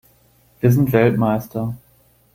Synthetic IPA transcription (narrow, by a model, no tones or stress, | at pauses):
v̥iːɐzɪntv̥ɛltmaɪstʰɐ